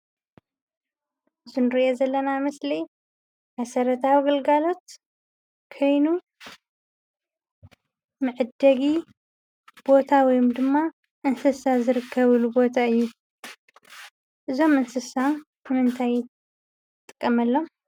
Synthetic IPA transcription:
ɨzunɾiʔozɐlːɐnamɐslij | mɐsɐɾɐt̪ʰawiɡɐlɡalo̞t̪ | kʰo̞jnu | mɨʕɨd̪ːɐɡi | b̥o̞t̪ʰawɔjumd̪ɨmːa | ʔɨnsɨsazɨɾɨkʰːɐβɨlubo̞t̪ʰaɨjːu | ʔɨzo̞mɨnsɨsa | nɨmɨnt̪ʰaj | t̪ʼɨ̥kʼːɐmɐlːo̞m

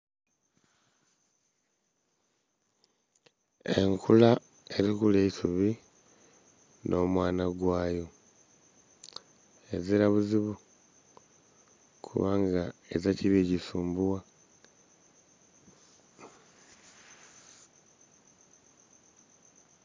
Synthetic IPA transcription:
e̞̰ŋkʰula | e̞ɾikuleisuβi | nʔo̞ːmwaːnaɡwaːjo̞ | e̞ziɾaβuziβu | kʰṵβaŋɡaezaciβiɟisuːmbuwa

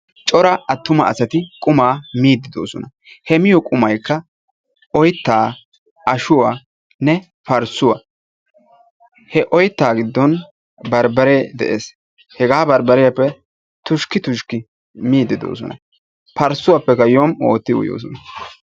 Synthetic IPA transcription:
t͡ʃʼɔɾɐɐt̪ːʊmɐɐsɐt̪ɪkʼʊmaːmiːd̪ːɪd̪o̞ːsɔnɐ | hɛmɪjɔkʼʊmɐjkːɐ | ɔjt̪ːaː | ɐʃʊwa | nɛ | pɐɾsʊwɐ | hɛʔɔjt̪ːaːɡɪd̪ːɔn | bɐɾbɐɾed̪ɛ̰ʔeːs | hɛɡaːbɐɾbɐɾɪjɐpːɛ | t̪ʊʃkɪt̪ʊʃkɪ | miːd̪ːɪd̪o̰ːs̬ɔ̰nɐ̰ | pɐɾsʊwapːɛkːɐjomo̰ːt̪ːɪʊ̰jo̰ːs̬ɔnɐ

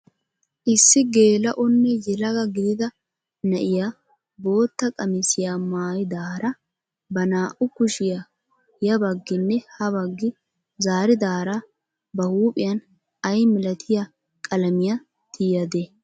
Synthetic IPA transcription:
ʔɪsːɪɡe̞ːlɐʔɔnːɛjɛlɐɡɐɡɪd̪ɪd̪ɐ | nɐʔɪja | bo̞ːt̪ːɐkʼɐmɪsɪjaːmaːjɪd̪aːɾɐ | bɐnaːʔʊkʊʃɪja | jɐbɐɡːɪnːɛhɐbɐɡːɪ | zaːɾɪd̪aːɾa | bɐhuːpʼɪjɐn | ɐjmɪlɐt̪ʰɪja | kʼɐlɐmɪjɐ | t̪ʰɪjɐd̪eː

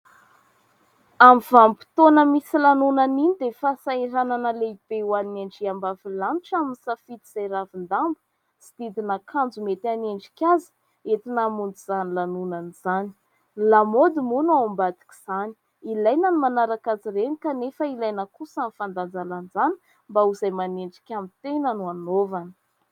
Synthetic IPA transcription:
amivampi̥t̪onəmisilanunaninid̪efasaiɾananəleib̥ewanieɳɖ͡ʐiambavilanʈ͡ʂaminisafit̪iz̥ajɾavind̪ambə̥ | si̥d̪̥id̪inakʰand͡zumet̪aneɳɖ͡ʐi̥kʲazə̥ | et̪inamund͡z̪uz̥anilanunaniz̥ani̥ | lamod̪imunaambad̪i̥kʲi̥z̥ani̥ | ilajnanimanaɾakaziɾenikanefəilajnəkusanifand̪and͡zalanzani̥ | mbauzajmaneɳɖ͡ʐi̥kʲamit̪enənuanovanə

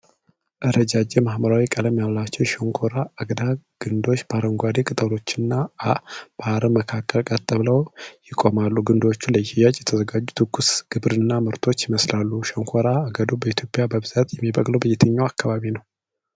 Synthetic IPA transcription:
ʔɨɾəd͡ʒad͡ʒemahməɾawikʼələmjallat͡ʃːɛwʃoŋkʰoɾaːɡd̪aɡ̥ɨnd̪o̞t͡ʃːbaɾəŋɡʷad̪ekʼɨt̪ʼəlo̞t͡ʃːɪnːa | b̥aaɾəməkʰakʰːəlkʼat̪ʼːəβləwjɪkʼːo̞malːuɡɨnd̪o̞t͡ʃːuləjijat͡ʃʼːjɛt̪ʰəzəɡad͡ʒːut̪ʰɨɡːusɡ̥ɨβɾɨnːamɨɾt̪ʰo̞t͡ʃːjɪməslalːuʃoŋkʰoɾaːɡəd̪obəit̪ʰjo̞pʼjabəbɨz̥at̪jɛmːibəkʼləwbəjɛt̪ʰəɲːawakʰːaβaβinəw

